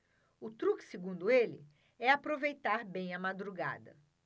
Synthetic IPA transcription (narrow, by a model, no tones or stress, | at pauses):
ʊt̪ɾuksɪɡũnd̪ʊelɪ̰ | ɛapɾovejt̪aɾbẽj̃ɐmad̪ɾuɡa̰d̪ɐ̰